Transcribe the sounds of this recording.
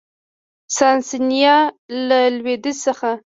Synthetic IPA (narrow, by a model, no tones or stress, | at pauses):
sɑnsinijɑlalwed̪ɪsəxa